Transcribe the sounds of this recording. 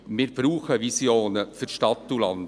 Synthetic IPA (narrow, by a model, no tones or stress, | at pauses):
mɪɾb̥ɾuːχəʋisjoːnəfyɾʃtɑt̪ːulɑ̰nd